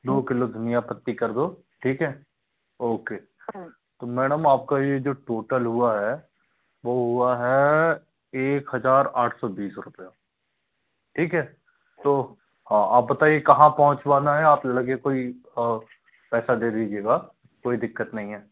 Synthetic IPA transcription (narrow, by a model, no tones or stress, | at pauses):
d̪oːkɪlod̪ʱʊnijapɐt̪ːikɐɾd̪oː | ʈʰiːkɦɛː | oːkeː | t̪omɛːɽəmaːp̚kajed͡ʒoːʈoːʈəlɦʊaɦɛ | ʋoːɦʊaɦɛ | eːkɦɐzaːɾaːʈʰsɔbiːsɾʊpja | ʈʰiːkɦɛː | t̪oː | hãːa̰ːp̚bɐt̪aːiekɐɦãpɔɦʊ̃t͡ʃwaːnaɦɛaːplɐɡekoːi | pɛːsad̪eːd̪iːd͡ʒieːɡa | koːid̪ɪkːət̪nɐɦĩɦɛː